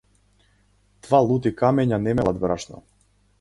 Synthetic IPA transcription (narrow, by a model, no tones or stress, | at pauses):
d̪̥valˠut̪̬ikamɛɲanɛmɛlˠad̪bɾaʃnɔ̰